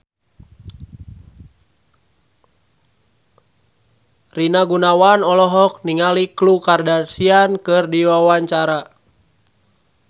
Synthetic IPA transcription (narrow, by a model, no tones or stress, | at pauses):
rinaɡunawanɔlɔɦɔk̚niŋaliklukardarsiankɨrdiwawaɲt͡ʃaɾa